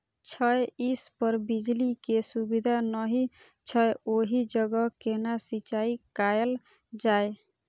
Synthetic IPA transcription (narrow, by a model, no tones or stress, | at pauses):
t͡ʃʰɔjispɔɾbid͡ʒlikesubid̪ʱanɔɦi | t͡ʃʰɔeoɦid͡ʒəɡɔkenasit͡ʃaikajəl | d͡ʒae